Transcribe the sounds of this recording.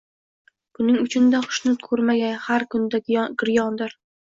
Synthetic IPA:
b̥ʊnɪŋʊt͡ʃʰɪnd̪æqʰʊ̥ʃnɨt̪kʰɵɾmæɡʲænhæɾkʲʊnd̪æɡɪɾjɑnd̪ɪɾ

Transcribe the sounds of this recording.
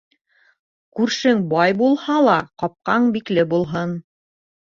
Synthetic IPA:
kʉɾʃɘŋbɑjbulˠhɑlˠɑqɑp̚qɑɴbiklɘbulˠɦɤn

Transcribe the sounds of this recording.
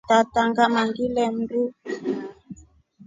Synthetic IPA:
tataŋɡamaŋɡilɛmbu

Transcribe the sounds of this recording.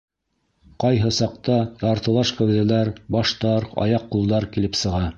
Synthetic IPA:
qɑjɦɤsɑq̚t̪ɑj̪ɑɾt̪ɤ̆lˠɑʃkæwðælæɾbɑʃt̪ɑɾɑ̰jɑqːulˠd̪ɑɾkilɘpsɤ̆ʁɑ

